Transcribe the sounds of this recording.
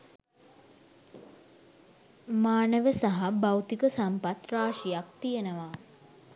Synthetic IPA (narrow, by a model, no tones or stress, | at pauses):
maːnəʋəsaɦabawt̪ikəsampat̪raːʃijak̚t̪ijenəʋaː